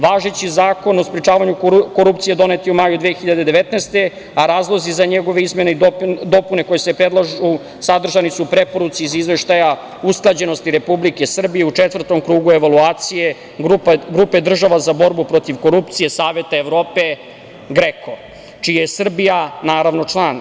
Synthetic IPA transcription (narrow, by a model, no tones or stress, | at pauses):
ʋaːʒet͡ɕizaːko̞no̞spɾet͡ʃaːʋaɲukoɾupt̪sijed̪o̞ne̞t̪iumajud̪ʋeexiʎad̪e̞d̪e̞ʋet̪nejst̪e̞ | aɾaːzlˠo̞zizaɲeɡo̞ʋeizme̞neid̪o̞pune̞ko̞jesepɾed̪lˠaʒu | sad̪r̩ʒanisupɾe̞po̞ɾut̪siːzizʋe̞ʃt̪aja | usklˠad͡ʑe̞no̞st̪iɾe̞publike̞sr̩bije̞ut͡ʂet̪vr̩t̪o̞mkɾuːɡue̞ʋaluaːt̪sije̞ | ɡɾupe̞d̪r̩ʒaʋazabo̞ɾbupɾo̞t̪iʋko̞ɾupt̪sije̞saːʋje̞t̪aeʋɾo̞ːpe̞ | ɡɾekʰo̞ | t͡ʃijajesr̩bijanaːɾaʋno̞t͡ʂlˠan